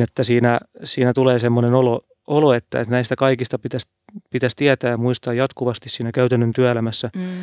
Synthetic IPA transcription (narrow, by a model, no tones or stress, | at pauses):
net̪ːæsiːnæsiːnæt̪uleːsemːonenolo | oloet̪ːæ̰et̪næist̪ækɑikist̪ɑpit̪æs | pit̪æst̪iæt̪æːjɑmuist̪ɑːjɑt̪kuʋɑst̪issiːnækæyt̪ænːønt̪yæelæmæsːæ